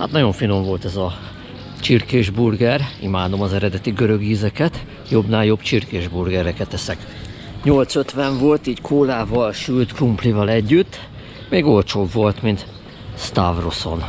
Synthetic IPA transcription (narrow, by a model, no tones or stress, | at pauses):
ha̰t̪nɒɟo̞ɱfino̞ɱvo̞lt̪ɛzɒ | t͡ʃirkeːʒburɡɛrimaːd̪o̞mɒzɛɾɛd̪ɛt̪iɡø̞ɾøɡiːzɛkɛt̪ | jo̞bnaːljo̞bt͡ʃirkeːʒburɡɛɾɛkɛt̪ːɛsɛk | ɲo̞lt̪sø̞t̪ʋɛɱvo̞lt̪iːɟkʰoːlaːvɒlʃylt̪krumplivɒlɛɟːyt̪ː | meːɡo̞lt͡ʃoːbvo̞lt̪mint̪ | st̪avroso̞n